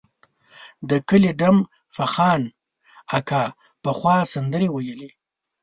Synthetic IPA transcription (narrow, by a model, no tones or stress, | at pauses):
d̪əkəliɖam | faxɑːn | akʰɑ | pəxwɑsand̪əɾewajəle